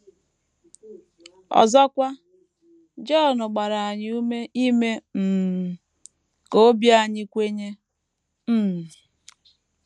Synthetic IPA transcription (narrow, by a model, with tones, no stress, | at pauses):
ɔ̰˨zɔ˦kʷa˦ | d͡ʒɔ˦˨nʊ˨ɡ͡ba˨ɾa˨a˨ɲɪ˦u˦me˦i˦me˦m̩˨ | ko˨˦bja˨ɲɪ˦kʷe˦ɲe˦ | m̩˨